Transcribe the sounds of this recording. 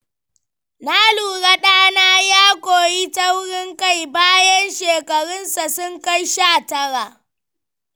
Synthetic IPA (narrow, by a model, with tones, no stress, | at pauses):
naː˦luː˨ɽa˦ɗaː˦naː˦jaː˦kʷoː˨ji˦tɐ˦wɽɪ˦ŋka˦˨jbaː˦jɐ˦nʃeː˨kɐ˨ɽɪ˦nsa˨sʊ˦ŋka˦jʃaː˦˨tɐ˦ɽaː˨